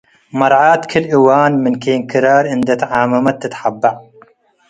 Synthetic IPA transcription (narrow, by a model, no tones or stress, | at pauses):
mɐɾʕaːt̪kʰɨlʔiwaːnmɨnkʰeːnkʰɨɾaːɾɨnd̪ɐt̪ʕaːmɐmɐt̪ːɨt̪ħabːaʕ